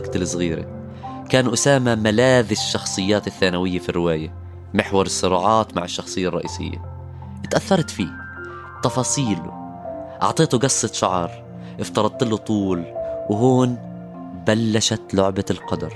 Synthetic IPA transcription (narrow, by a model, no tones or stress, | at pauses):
ɡt̪ɪlɨsˤɣiːɾa̰ | kaːnʔʊsaːmamalaːðɪʃːɑxsˤɨjːaːt̪ɪθːaːnawɪjːafirːɪwaːja | mɪħwɑɾˤɨsːʊɾˤɑːʕɑːt̪ma̰ʕɪʃːɑxsˤɨjːaɑrˤːɑ̰ʔḭːsɪ̰jːa̰ | ʔɪt̪ʔaθːɑɾˤt̪fiː | t̪ɑfɑːsˤiːl | ʔɑ̰ʕt̪ˤeːt̪uɡɑsˤːɨt̪ʃɑʕɑɾˤ | ʔɪft̪ɑɾˤɑd̪̚ˤt̪ɪlːut̪ˤuːlwɪɦuːn | balːaʃat̪lʊʕbalqɑd̪ɑ̰ɾˤ